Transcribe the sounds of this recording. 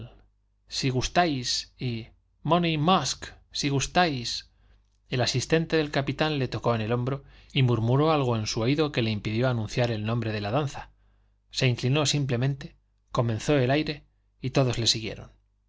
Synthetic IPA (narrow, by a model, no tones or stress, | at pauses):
siɣ̞ust̪ajsi | monimask | siɣ̞ust̪ajs | e̞lasist̪e̞nt̪e̞ðe̞lkapit̪anle̞t̪o̞ko̞ene̞lõ̞mbɾo̞imuɾmuɾo̞alɣ̞o̞e̞nsuoiðo̞ke̞le̞impiðjo̞anũn̟θjaɾe̞lnõmbɾe̞ðe̞laðanθa | se̞iŋklino̞simple̞mẽ̞nt̪e̞ | ko̞mẽ̞nθo̞e̞lajɾe̞ | it̪o̞ðo̞zle̞siɣje̞̰ɾo̞̰n